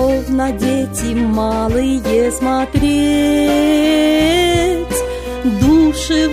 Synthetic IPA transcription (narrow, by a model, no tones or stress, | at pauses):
ovnədʲetʲɪmɑlˠɨjjesmɐt̪ɾʲe | tʲ | d̪uʂɨ